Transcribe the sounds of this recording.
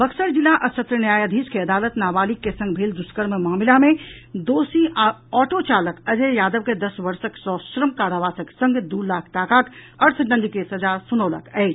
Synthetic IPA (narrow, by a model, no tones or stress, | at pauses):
bəksəɾd͡ʒilːaʔəsət̪ɾənjaːjad̪ʱiskeəɐd̪aːlət̪naːbaːlikːesə̃ŋɡbʱeld̪uskəɾmemaːmilamẽd̪oːsiʔaɔːʈot͡ʃaːləkəd͡ʒejaːd̪əʋked̪əsʋəɾsəksɔʃɾəmkaːɾaʋaːsəksə̃ŋɡd̪ulaːk̚ʰʈaːkakəɾt̪ʰɖə̃nd̪ikesɐd͡ʒasunəːlə̰kəːt͡ʃʰ